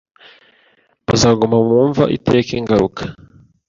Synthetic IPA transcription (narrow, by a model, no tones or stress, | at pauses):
βazaːɡumamŋuːɱva̰ʔitekeːŋɡaɾukʰḁ